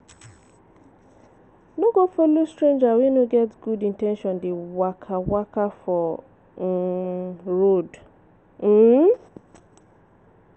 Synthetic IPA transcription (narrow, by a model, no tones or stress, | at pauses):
noɡofolostɹẽnd͡ʒawɛ̃nuɡɛtɡudĩntɛ̃nʃɔ̃ndewakʰawakafɔ | ɹod̩